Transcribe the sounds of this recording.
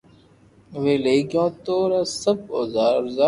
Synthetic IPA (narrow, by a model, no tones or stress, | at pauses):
ʋeːleːɡjõːt̪oːɾaːsəboːzaːɾza